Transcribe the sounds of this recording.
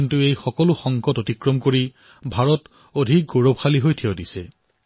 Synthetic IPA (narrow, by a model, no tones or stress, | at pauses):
ntuejxɔkɔlʊxɔŋkɔtotikɹɔmkoɹi | bʱaɹɔt | odʱik̚ɡoɹɔbxaliɦojtʰiodisɛ